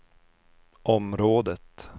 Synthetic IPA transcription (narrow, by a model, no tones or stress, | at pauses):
ʔɔmɾoːd̪ət̪